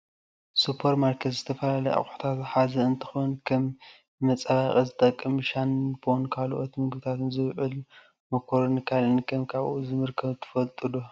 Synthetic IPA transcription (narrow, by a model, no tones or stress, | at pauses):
supʰɐɾmaɾkʰet̪z̥ɨt̪ʰɐfɐlalɐja̰χʼħu̥t̪ʰat̪ħazɐɨnt̪ʰɨ̥xunkʰɐmː | ɐt͡sʼɐβaχʼɐzɨt̪ʼɐkʼːɨmʃanbonkʰalʔo̞t̪mɨɡɨβɨt̪ʰat̪ɨnzɨβʕʊl | mɐkʰoɾnikʰalɨnkʰɐmkʰaβʔuzɨmɨɾkʰɐβt̪ʰɨ̥fɐlt̪ʼɨd̪u